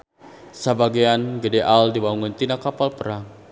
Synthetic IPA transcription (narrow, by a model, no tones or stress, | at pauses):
səbaɡianɡədeʔaldibauŋʊnt̪inakːapalpəɾaŋ